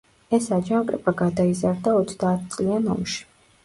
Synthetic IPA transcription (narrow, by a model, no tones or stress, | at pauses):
ɛsad͡ʒaŋkʼɾɛ̰pʼaɡad̪aizaɾd̪aɔt̪sʰd̪aːt̪̚ʰt̪sʼlianɔ̰mʃi̥